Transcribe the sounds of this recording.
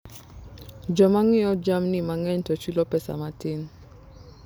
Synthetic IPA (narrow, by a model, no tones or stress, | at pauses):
d͡ʒɔmaŋɪɔd͡ʒamnimaŋɛɲtɔt͡ʃilɔpɛsa̰matɪn